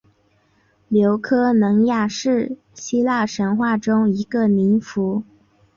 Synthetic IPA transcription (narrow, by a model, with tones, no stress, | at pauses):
ljo˧˥ʊkʰɤ˥nɤ˧˥ŋja˥˩˧ʂɻ̩˥˩ | ɕi˥la˥˩ʂə˧˥nxwa˥˩ʈ͡ʂʊ˥ŋi˧˥ɡə˧ni˧˥nfu˧˥